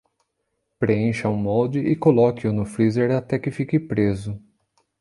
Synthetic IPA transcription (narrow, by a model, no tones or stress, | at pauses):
pɾeẽʃɐũmɔwd͡ʒɪʔɪkolɔkɪʊnʊfɾizeɾat̪ɛkɪfikɪpɾezʊ